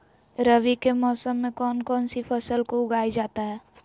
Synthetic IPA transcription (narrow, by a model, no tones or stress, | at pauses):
ɾəʋikemɔːsəmːẽkɔːnkɔːnsifʰɐsəlkoʊɡaːid͡ʒaːt̪aɦɛː